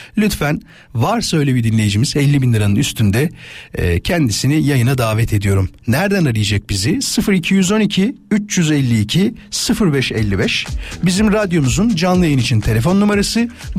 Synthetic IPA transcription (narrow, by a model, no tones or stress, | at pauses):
lʲyt̪fæn | vaɾsaøjlʲebid̪inlʲe̞jid͡ʒimizɛlʲːibinlʲiɾanɯnyst̪ʰynd̪ɛ̰ | cʰɛnd̪isinijajɯnad̪aːvɛt̪ʰe̞d̪ijo̞ɾumnæɾd̪ænaɾɯjad͡ʒak̚bizisɯfɯɾicʰijyzo̞nicʰiyt͡ʃjyzɛlʲːiːcʰisɯfɯɾbɛʃɛlʲːibɛʃbizimɾad̪jo̞muzund͡ʒanlˠɯjajɯnit͡ʃʰint̪ʰe̞lʲe̞fo̞nːumaɾasɯ